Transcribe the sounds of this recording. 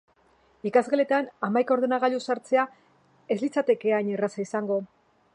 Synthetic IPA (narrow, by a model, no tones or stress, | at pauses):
ikazɣele̞t̪anamajkao̞ɾðenaɣaʎusaɾt͡se̞a | e̞zlit͡sat̪e̞ke̞aɲerasaisaŋɡo̞